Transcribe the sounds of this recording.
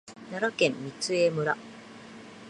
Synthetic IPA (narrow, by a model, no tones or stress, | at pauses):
naɾakẽ̞mːʲit͡sɨemɯ̟ɾa